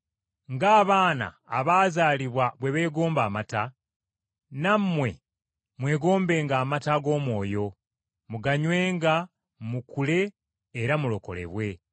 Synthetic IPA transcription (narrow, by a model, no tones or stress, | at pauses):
ŋɡaːβaːna̰ːβaːzaːliβwaβwe̞βe̞ːɡo̞ːmbaːmata | namːwe̞̰ | mwe̞ːɡo̞ːmbe̞ːŋɡaːmataɡo̞ːmwo̞ːjo̞ | muɡaɲwe̞ːŋɡa | mukule̞ː | ɾamulo̞ko̞̰le̞̰βwe̞